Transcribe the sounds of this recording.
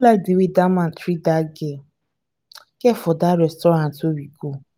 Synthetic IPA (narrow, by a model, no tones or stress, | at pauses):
ladiwidamãntɾidaɡe | kefʊdaɾɛstɔɾãntowiko